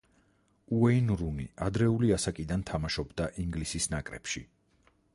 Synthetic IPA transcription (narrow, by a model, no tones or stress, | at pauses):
uɛinɾunḭʔad̪ɾɛuliasakʼid̪ant̪ʰamaʃɔbd̪aʔiŋɡlisisnakʼɾɛ̰pʃi